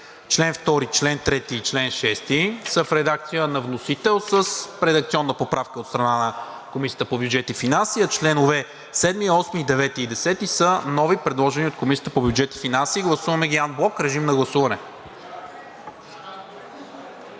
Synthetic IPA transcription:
t͡ʃlɛnft̪ɔɾit͡ʃlɛnt̪ɾɛt̪iːt͡ʃlɛnʃɛst̪isəfɾɛd̪ak̚t̪sijənɐvnosit̪ɛlˠsəsɾɛd̪ək̚t̪siɔnːəpopɾafkəot̪st̪ɾɐnanɐ | komisijət̪əpobjud͡ʒɛt̪ifinansijət͡ʃlɛnovɛ | sɛd̪miɔsmiːd̪ɛvɛt̪iːd̪ɛsɛt̪isənɔvipɾɛd̪lˠɔʒɛniot̪̚komisiət̪əpobʲjud͡ʒɛt̪i̥finansiɡlˠɐsuvɐmɛɡʲianblˠɔkɾɛʒimnɐɡlˠɐsuvɐnɛ

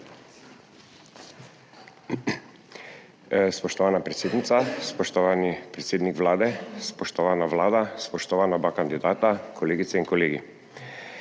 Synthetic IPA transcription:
spɔʃt̪ɔʋaːnapɾɛt̪seːd̪nit̪saspɔʃt̪ɔʋaːnipɾɛt̪seːd̪nikʋlaːd̪ɛspɔʃt̪ɔʋaːnaʋlaːd̪aspɔʃt̪ɔʋaːnabakand̪id̪aːt̪akʰɔleːɡit̪sɛiŋkɔleːɡḭ

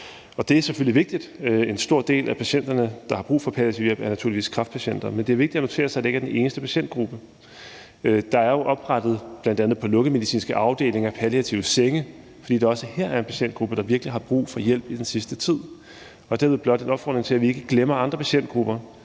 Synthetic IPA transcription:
ɒ̽d̥e̝æɐseføliʋe̝ɡ̥̚d̥id̥e̝nsd̥o̝ɐ̰d̥e̝̰ːlʔæpʰæɕen̰d̥ɐnəd̥ɑ̈hɑ̈b̥ʁṵːfɒ̽pʰæliæt͡sʰiʊjel̰b̥æɐnæt͡sʰṵɐ̰liʋḭːskʰʁɑ̈fd̥pʰæɕen̰d̥ɐmend̥e̝æɐʋ̝ɡ̚di̥æno̝t͡sʰe̝ːɐsɑ̈ɪdee̝ɡ̥æɐd̥ene̝ːnəsd̥əpʰæɕen̰d̥ɡ̥ʁub̥ə | d̥ɑ̈æɐjo̝ʔɒ̽b̥ʁɑd̥ð̞̩ˠb̥lænd̥ænð̩ˠpʰɒ̽lɔ̽ɡ̥əmeðˠisḭːnsɡ̥əʔɑ̈ʊd̥e̝̰ːle̝ŋæpʰæliæt͡sʰiʊəseŋə | fɒd̥ḭːd̥eɒ̽səhɛɐ̰æɐe̝npʰæɕen̰d̥ɡ̥ʁub̥əd̥ɑ̈ʋiɐɡ̥liɦɑ̈b̥ʁṵːfɒ̽jel̰b̥id̥ensisd̥ət͡sʰið̞̰ˠ | ɒ̽d̥æɐʋeð̩ˠblɒd̥enɒ̽b̥fɒ̰ːd̥ʁeŋt͡sʰe̝æʋie̝ɡ̥əɡ̥lemɐɑ̈nd̥ʁɐpʰæɕen̰d̥ɡ̥ʁub̥ɐ

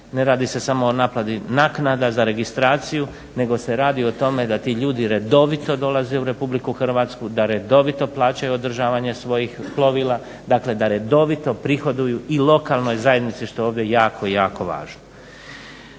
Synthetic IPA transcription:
ne̞ɾaːd̪ise̞samo̞ːnaːplad̪inaːknad̪azaɾe̞ɡist̪ɾaːt̪siju | ne̞ɡo̞se̞ɾaːd̪io̞t̪o̞me̞d̪at̪iːʎuːd̪iɾe̞d̪o̞ʋit̪o̞d̪o̞lazeuɾe̞publikuxr̩ʋaːt̪skud̪aɾe̞d̪o̞ʋit̪o̞plˠaːt͡ɕajuo̞d̪r̩ʒaːʋaɲe̞sʋo̞jixplˠo̞ʋilˠa | d̪aːkle̞d̪aɾe̞d̪o̞ʋit̪o̞pɾixo̞d̪ujuilo̞kalˠno̞jzajed̪nit̪siʃt̪o̞jeoːʋd̪jejaːkʰo̞ijaːko̞ʋa̰ːʒno

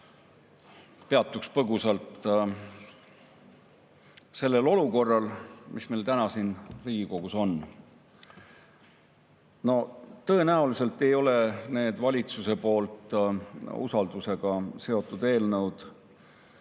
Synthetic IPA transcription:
pe̞ɑt̪ːˑukspɤɡusɑlt̪ | se̞lːe̞lo̞luko̞rːɑlmʔismejlt̪ænɑsinriːɡ̥iko̞ɡ̥uso̞n | no̞t̪ɤ̞e̞næulise̞lt̪ːˑe̞jo̞le̞ne̞ːd̪̥vɑlʲit̪suse̞po̞ːlt̪ˑ | ṵsɑld̪̥use̞ɡ̥ɑse̞o̞t̪ːˑud̪e̞ːlnɤwd̪̥

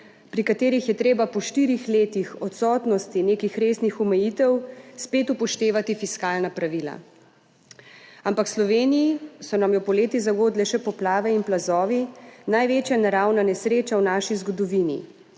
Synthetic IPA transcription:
pɾikat̪eːɾixjɛt̪ɾeːbapɔʃt̪iɾixleːt̪ixɔt̪sɔːt̪nɔst̪ineːkixɾeːsnixɔmɛjit̪ɛwspeːt̪upɔʃt̪eːʋat̪ifiskaːlnapɾaʋiːla̰ | ampakslɔʋeːnijisɔnamjɔpɔleːt̪izaɡoːd̪lɛʃɛpɔplaːʋɛinplazɔːʋinajʋeːt͡ʃjanaɾawnanɛsɾeːt͡ʃawnaːʃizɡɔd̪ɔʋinḭ

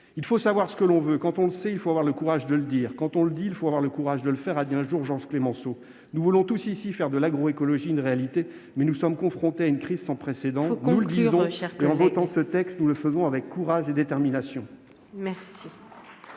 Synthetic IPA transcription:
ilfosavwaʁsə̥kəlɔ̃vøkɑ̃t̪ɔ̃ləsɛilfoavwaʁləkuʁaʒd̪ələd̪iːʁkɑ̃t̪ɔ̃ləd̪ilfoavwaʁləkuʁaʒd̪ələfɛʁad̪iɛ̃ʒuʁʒɑ̃ʒklemɑ̃so | nuvulɔ̃t̪usisifɛʁd̪əlaɡʁoekɔlɔʒiːnʁealit̪e | mɛnusɔmkɔ̃fχɔ̃t̪eaynkχizsɑ̃pχesed̪ɑ̃ñuld̪zɔ̃ɛʁkeɑ̃vɔt̪ɑ̃sət̪ɛkst̪nuləfəzɔ̃avɛkːuʁaʒed̪et̪ɛʁminasjɔ̃ | mɛʁsi

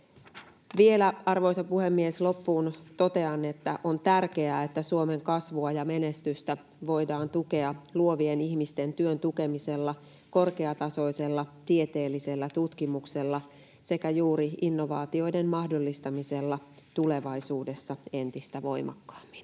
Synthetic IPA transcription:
ʋie̞læɑrʋo̞jsɑpuhe̞mːie̞slo̞pːuːnt̪o̞t̪e̞ɑnːe̞t̪ːæʔo̞nt̪ærke̞æːet̪ːæsuo̞me̞ŋkɑsʋuɑjɑme̞ne̞st̪yst̪æ | ʋo̞jdɑːnt̪uke̞ɑluo̞ʋieniçmist̪e̞nt̪yønt̪uke̞mise̞lːɑ | ko̞rke̞ɑt̪ɑso̞ise̞lːɑt̪ie̞t̪e̞ːlːise̞lːæt̪ut̪kimukse̞lːɑ | se̞kæjuːɾiinːo̞ʋɑːt̪io̞jde̞mmɑhdo̞lːist̪ɑmise̞lːɑ | t̪ule̞ʋɑjsuːde̞sːɑe̞nt̪ist̪æʋo̞jmʔɑ̰kːɑ̥ːmːi̥n

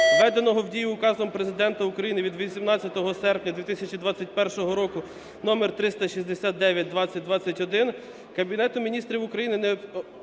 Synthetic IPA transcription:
ʋɛd̪enɔɦɔwdʲijʊːkɑzɔmpɾezɪd̪ɛnt̪ɐukɾɐjinɪʋʲid̪ʋʲisʲimnɑt͡sʲːɐt̪ɔɦɔsɛrpnʲɐd̪ʋʲit̪ɪsʲɐt͡ʃid̪ʋɑt͡sʲːɐt̚ʲpɛrʃɔɦɔɾɔkʊ | nɔmert̪ɾɪst̪ɐʃizʲd̪esʲat̪̚d̪ɛʋʲjɐt̚ʲd̪ʋɑt͡sʲːɐt̚ʲd̪ʋɑt͡sʲːɐtʲɔd̪ɪn | kɐbʲinɛt̪ʊmʲinʲist̪ɾʲiwʊkɾɐjinɪnɛ

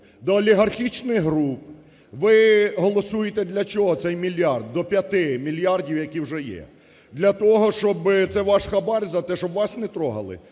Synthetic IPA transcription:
d̪ɔːlʲiɦɐrxʲit͡ʃnɪɣɦɾup̚ | ʋɪɦɔlˠɔsujet̪ɛd̪lʲɐt͡ʃɔɦɔt̪sɛjmʲilʲjɑrd̪ːɔpʲjɐt̪ɪmʲilʲjɑrdʲiwjɐkʲiwʒɛjɛ̰ | d̪lʲɐt̪ɔɦɔʃt͡ʃɔbɪt̪sɛʋɑʃxɐbɑɾʲzɐt̪ɛʃɔbʋɑsnɛt̪ɾɔɦɐ̰lˠɪ̰

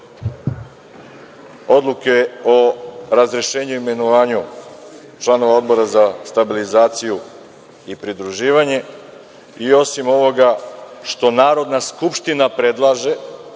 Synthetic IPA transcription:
o̞d̪lˠuke̞o̞ɾazɾeʃe̞ːɲuime̞noʋaːɲu | t͡ʃlˠano̞ʋao̞d̪̚bo̞ɾazast̪abilizaːt̪siju | ipɾid̪ɾuʒiːʋaɲe̞ | io̞simo̞ʋo̞ɡaʃt̪o̞naːɾo̞d̪naskupʃt̪inapɾe̞d̪lˠaːʒe̞

